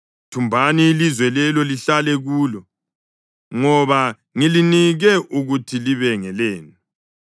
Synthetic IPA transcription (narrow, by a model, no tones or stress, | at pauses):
tʰumbʱaniːlizwɛlɛlɔliɬalɛɣuːlɔ | ŋɔβa | ŋiliniɣɛʔuɣutʰiliβɛŋɛleːni